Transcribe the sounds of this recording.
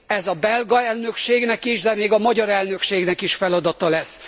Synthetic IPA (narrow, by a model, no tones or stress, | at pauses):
ɛzɒbɛlɡɒɛlnø̞kʃeːɡnɛkiʃd̪ɛmeːɡɒmɒɟɒɾɛlnø̞kʃeːɡnɛkiʃfɛlɒd̪ɒt̪ɒlɛsː